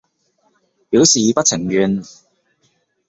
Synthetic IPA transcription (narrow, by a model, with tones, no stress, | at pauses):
piː˨˥wsiː˨pɐ˥t̚t͡sʰɪ˨˩ŋjɥyː˨˧n